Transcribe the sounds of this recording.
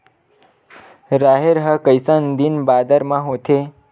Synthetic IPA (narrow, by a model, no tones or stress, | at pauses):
ɾaɦeɾɦəkəjsənd̪inbad̪əɾmãɦot̪ʰe